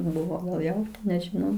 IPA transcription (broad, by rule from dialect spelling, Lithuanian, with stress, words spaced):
ˈbʊʋoː ɡɐlˠ ˈjɛʊ nʲɛʒʲɪˈnɐʊ